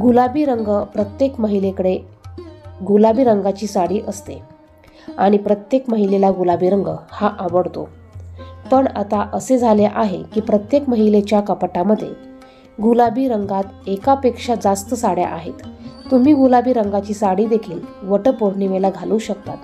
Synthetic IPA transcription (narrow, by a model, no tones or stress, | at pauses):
ɡulabiːɾəŋɡəpɾət̪jekməɦilekəɽe | ɡulabiːɾəŋɡat͡ɕiːsaɽiːʔəst̪e | aɽ̃ipɾət̪jekməɦilelaɡulabiːɾəŋɡəhaʔaʋəɽt̪o̰ | pəɳa̰t̪aʔəsed͡zʱaleʔaɦekiːpɾət̪jekməɦilet͡ɕjakəpəʈaməd̪ʱːjḛ | ɡulabiːɾəŋɡat̪ekapekʂad͡zast̪əsaɽja̰ʔaɦet̪ːum̤iːɡulabiːɾəŋɡat͡ɕiːsaɽiːd̪ekʰiːlʋəʈəpoɽ̤ɳiʋelaɡʱaluːɕəkt̪at̪